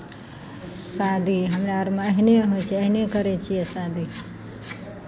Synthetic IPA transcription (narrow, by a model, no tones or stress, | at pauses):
sad̪ʱiɦəmɾaɾmeəɦineɦojt͡ʃʰɛəɦinekəɾɛt͡ʃʰijɛsad̪ʱi